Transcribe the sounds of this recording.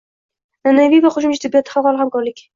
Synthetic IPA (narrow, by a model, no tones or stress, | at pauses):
nanavijvaχʊʃʊmt͡ʃʰat̪ʰɪbːijat̪ʰɪχaɑlˠhamkɒɾlɪkʲ